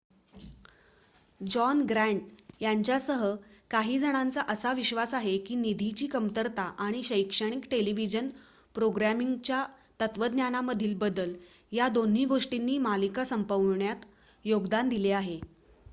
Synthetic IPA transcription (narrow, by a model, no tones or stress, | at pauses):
d͡ʑɔnɡɾæɳʈ̚jaɲt͡ɕjasəɦəkaɦiːd͡zəɽ̃ant͡saʔəsaʋiɕʋasaɦekiːnid̪ʱit͡ɕiːkəmt̪əɾt̪aʔaɽ̃iɕəjkʂəɽ̃ikʈeliʋid͡ʑən | pɾoɡɾamiŋɡt͡ɕja | t̪ət̪ʋəd̪njanaməd̪ʱiːlbəd̪əl | jad̪on̤iːɡoʂʈinːiːmalikasəmpəʋɳjat̪ | joɡd̪and̪ileaɦe